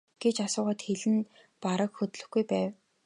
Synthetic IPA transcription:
ɡ̥et͡ɕasʊːʁə̆t̪xeɮɘ̆n | paɾə̆kxɵt̪ɮɵ̆xɡujpæːw

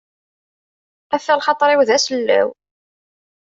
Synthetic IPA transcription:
æfːælχɑt̪ˤɾˤɪwðæsəlːæ̰w

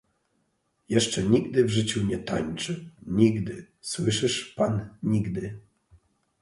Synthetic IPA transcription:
jɛʂt͡ʂɛɲiɡd̪ɘvʐɘt͡ɕuɲɛt̪a̰ɲt͡ʂɘɲiɡd̪ɘ | swɘʂɘʂpanɲiɡd̪ɘ

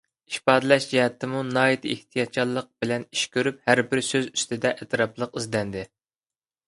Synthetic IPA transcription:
iʃpɑːd̪ɨlɛʃd͡ʒɛhɛt̪ʰːɪmunɑːjɛt̪ʰɪeht̪ʰijɑt̪̚t͡ʃʰɑlˠːəq̚bɪlɛni̥ʃkʲʰøɾyphæɾbɪɾsøzyst̪ɪd̪ɛʔɛt̪ʰɾɑplˠəqizd̪ɛnd̪ɪ

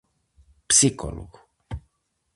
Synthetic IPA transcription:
psiko̰lo̰ɣu

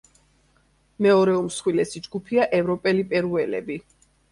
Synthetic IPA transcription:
mɛɔɾɛumsχwilɛsid͡ʒɡupʰiaʔɛvɾɔpʼɛlipʼɛɾuɛlɛ̰bi

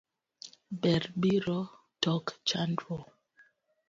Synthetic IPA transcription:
bɛɾbiɾɔ | tɔkt͡ʃandɾɔ

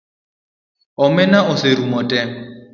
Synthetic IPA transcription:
ʊmɪnaʔʊsɪɾumɔtʼɛ

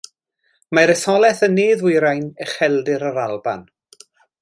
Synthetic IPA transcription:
maɾəsɔlˠɛθənːeːðwɪjɾajnəχɛlˠdɪɾəɾalˠba̰n

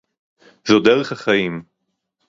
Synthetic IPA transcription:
zod̪eʁeχhaχajim

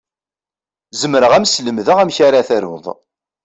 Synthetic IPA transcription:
zəmɾəʁæmsləmðəʁæmçaɾaθæɾwðˤ

